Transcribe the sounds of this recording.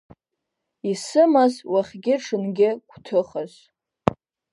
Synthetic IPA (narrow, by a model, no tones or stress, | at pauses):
isɨmaswaχʲɡʲɪʈ͡ʂʰɨnɡʲɪkʷʰtʰɨχaz